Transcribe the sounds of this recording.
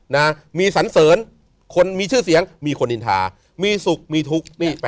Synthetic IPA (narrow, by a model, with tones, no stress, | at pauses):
na˦˥miː˧sa˩˦nsɤː˩˦n | kʰo˧nmiː˧t͡ɕʰɯː˥˩si˩˦əŋmiː˧kʰo˧ni˧˩nt̪ʰa̰ː˧ | miː˧su˨˩k̚miː˧t̪ʰu˦˥k̚niː˥˩p